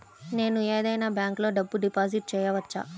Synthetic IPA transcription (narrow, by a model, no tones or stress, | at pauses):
ne̞ːnueːd̪ɐjnaːbjaːŋklo̞ːɖɐbːuɖipaːziʈ̚t͡ʃɛːjɐʋɐt͡ʃːa̰ː